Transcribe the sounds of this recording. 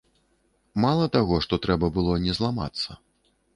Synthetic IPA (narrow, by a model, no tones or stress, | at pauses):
malˠɐt̪aɣɔʂt̪ɔt̪ɾɛbɐbɨlˠɔnʲɛzlˠama̰t̪sːɐ